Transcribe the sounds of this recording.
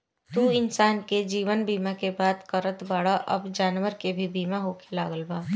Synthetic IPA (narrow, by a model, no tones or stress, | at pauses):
t̪uːɪnsaːnked͡ʒiːʋənbiːmakebaːd̪kəɾət̪baːɽaʔɐ̰bd͡ʒaːnʋəɾkebʱibiːmaɦoːkelaːɡəlbaː